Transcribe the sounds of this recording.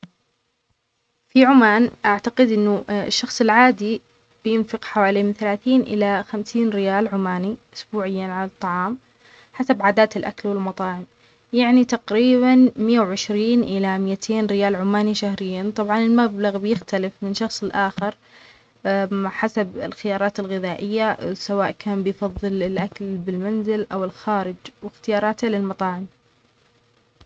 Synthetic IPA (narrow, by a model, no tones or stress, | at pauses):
fiʕʊmaːnʔaʕt̪aqɪd̪ʔɪnːʊʃːɑxsˤɪlʕaːd̪i | b̥ɪjɪnfɪqħawaːlijmɪnθalaːθiːnʔɪ̰laxamsiːnɾɪjaːlʕʊmaːniʔʊsbuːʕɪjːanʕalɑt̪ˤːɑʕɑːm | ħasabʕaːd̪aːt̪ɪlʔa̰kalwɪlmɑt̪ˤɑːʕɪm | jaʕnit̪aqɾiːβanmɪjːawʕɪʃɾiːnʔɪlamɪjat̪ʰeːnɾɪjaːlʕʊmːaːniʃahɾɪjːant̪ˤɑbʕɑnɪlmablaɣbjɪxt̪alɪfmɪnʃɑxsˤɪlʔaːxɪɾ | maħasabɪ̰lxɪjɑːɾˤɑːt̪ɪlɣɪðaːʔɪjːasawaːʔkaːnbɪjfɑðˤːɨlɪlʔakalbɪlmanzɪlʔawɪlxaːɾɪd͡ʒwɪxt̪ɪjɑːɾˤɑːt̪halɪlmɑt̪ˤɑːʕɪm